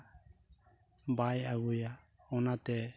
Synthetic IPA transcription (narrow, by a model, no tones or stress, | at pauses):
bajaɡuja | ɔnat̪ɛ